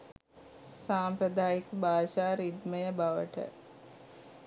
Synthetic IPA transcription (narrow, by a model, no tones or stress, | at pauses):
saːmpɾəd̪aːjikbʱaːʃaːɾid̪məjəbaʋə̰ʈə̰